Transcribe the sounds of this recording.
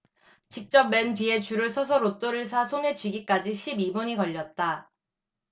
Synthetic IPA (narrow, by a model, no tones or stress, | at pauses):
t͡ɕik̚t͡ɕ͈ʌp̚mentɥie̞t͡ɕuɾɯɭsʰʌsʰʌɾot͈oɾɯɭs̬ʰasʰone̞t͡ɕɥiɡik͈ad͡ʑiɕʰibibʌɲikʌʎːʌt̚t͈a